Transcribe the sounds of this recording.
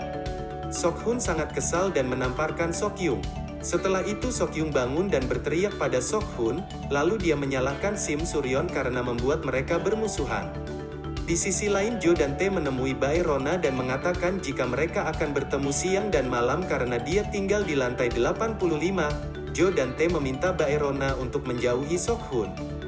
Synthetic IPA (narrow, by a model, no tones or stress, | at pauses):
sɔkhʊnsaŋat̪̚kəsaldanmənamparkansɔkjʊŋ | sət̪əlahit̪usɔkjʊŋbaŋʊndanbərt̪əɾiak̚padasɔk̚hun | laludiaməɲalahkansɪmsuɾiɔnkaɾənaməmbuat̪̚məɾekabərmusuɦa̰n | disisilaɪnd͡ʒodant̪ɛmənəmuibaeɾonadanməŋat̪akand͡ʒikaməɾekaːkanbərt̪əmusiaŋdanmalamkaɾənadiat̪iŋɡaldilant̪ajdəlapanpuluhlima | d͡ʒodant̪ɛməmint̪abaeɾonaunt̪ʊk̚məɲd͡ʒauɦisɔk̚hʊn